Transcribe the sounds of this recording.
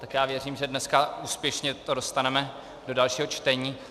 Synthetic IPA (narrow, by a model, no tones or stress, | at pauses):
t̪akjaːvjɛr̝iːmʒɛdnɛskauːspjɛʃɲɛt̪odo̞st̪anɛmɛ | do̞dalʃiːɦo̞t͡ʃt̪ɛɲiː